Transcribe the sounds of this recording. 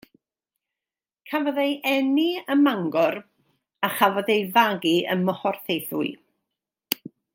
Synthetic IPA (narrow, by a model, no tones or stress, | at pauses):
kʰavɔðejʔɛniəmaŋɡɔr | aχavɔdejvaɡiə̰nmːɔχɔrθejθṵɨ